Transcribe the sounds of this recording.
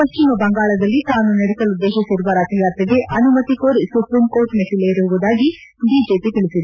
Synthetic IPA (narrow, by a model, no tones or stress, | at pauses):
pɐʃt͡ʃimɐbɐŋɡaːɭɐd̪ɐlːit̪aːnunɐɽisɐlud̪ːeːʃisiɾuʋaːɾaːt̪ɐjaːt̪ɐɡeʔɐnumɐt̪ikoːɾsupɾiːmkoːɾʈmeʈʰileɾuʋuʋud̪aːɡi | ɖiːd͡ʒeːpit̪iɭisid̪u